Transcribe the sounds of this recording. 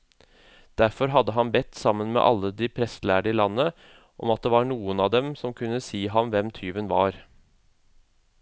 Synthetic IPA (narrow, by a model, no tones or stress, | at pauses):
d̪̥æɾfɔɾɦɑd̪əɦɑnbɛt̪ːsɑmːənmḛʔɑ̰lːəd̪ɪpʰɾɛst̪læːɖɪlɑnːə | ʔɔmɑt̪̚d̪eːʋɑɳuːənɑːd̪ɛmsɔmkʰʉnːəsiːɦɑmʋɛmt̪ʰyːʋənʋɑːɾ